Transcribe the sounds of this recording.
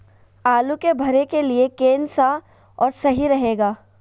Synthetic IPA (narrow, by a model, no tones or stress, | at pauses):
aːlukebʱɐɾekeliekeːnsa | ɔːɾsɐɦiɾɐɦeːɡaː